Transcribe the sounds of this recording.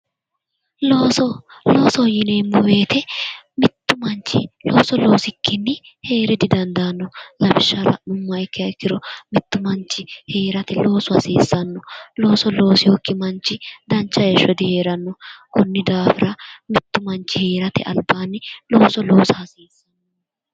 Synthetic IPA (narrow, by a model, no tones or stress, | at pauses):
loːsɔlo̞ːsɔjɪneːmːʊwe̞ːt̪ɛmɪt̪ːʊmɐnt͡ʃːɪ̰lo̞ːsɔlo̞ːsɪkːɪnːɪ | he̞ːɾɛd̪ɪd̪ɐnd̪ɐnːɔlɐbɪʃːɐɾɐ̰nʊmːɐɪkːɪɐɪkːɪɾɔmɪt̪ːʊmɐnt͡ʃːɪhe̞ːɾɐt̪ɪlo̞ːsʊɐsiːsːɐnːɔlo̞ːsɔlo̞ːsɪjokːɪmɐnt͡ʃːɪd̪ɐnt͡ʃːɐjɛʃːɔd̪ɪhe̞ːɾɐnːɔkʊnːɪd̪aːfɪɾɐmɪt̪ːʊmɐnt͡ʃːɪheːɾɐt̪ɛ̰ʔɐ̰lbːaːnːɪlo̞ːsɔlo̞ːsɐɐsiːsːɐnː | ɔ